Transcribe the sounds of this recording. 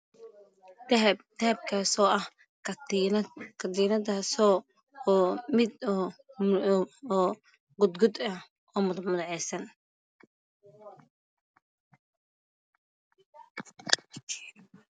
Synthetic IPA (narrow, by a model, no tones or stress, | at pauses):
t̪ʰɐɐb̚kʰaːsɔːʔɐh | kʰɐd̪iːnɐðasɔ | ɔːmɪd̪ɔ | ɔː | ɡʊd̪ɡʊd̪ɐh | ʔɔːmʊðʊmʊðɐʕɛjsɐn